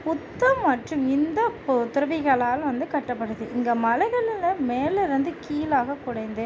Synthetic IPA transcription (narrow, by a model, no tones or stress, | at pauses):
pʊt̪ːɐmːɐʈrɯmɪnd̪ɐpt̪ʊɾɐʋɪɣɐɭaːlʋɐnd̪ɯkɐʈːɐpːɐɽɯðɯʔɪŋɡɐmɐlɐɪɣɐɭɪlɐmeːlɐɾɐnd̪ɯkiːlaːɣɐkʊɽɐɪnd̪ɯ